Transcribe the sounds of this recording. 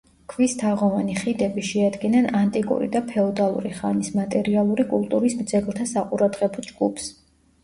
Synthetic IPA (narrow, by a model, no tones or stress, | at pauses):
kʰvist̪ʰaʁɔvaniχid̪ɛbiʃɛad̪ɡinanant̪ʼikʼṵɾḭd̪apʰɛɔd̪alˠṵɾiχanismat̪ʼɛɾialˠuɾikʼulˠt̪ʼuɾismd̪zɛɡlˠt̪ʰasaqʼuɾad̪ʁɛbɔd͡ʒɡupʰs